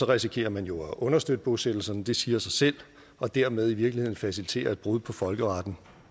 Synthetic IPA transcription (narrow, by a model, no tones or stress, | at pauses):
sɒ̽ʁɛsikʰe̝̰ːɐmænjo̝æʔɔ̽nɐsd̥ød̥əb̥ɔðˠsed̥l̩sɐnd̥e̝siːɐsɑ̈ɪsel̰ | ɒ̽d̥æɐ̰með̞ˠiʋiɐɡlihe̝ð̞̰ˠn̩fæsilit͡sʰe̝̰ːɐæd̚b̥ʁuð̞ˠpʰɒ̽fɒ̽lɡ̥əʁɑ̈d̥n̩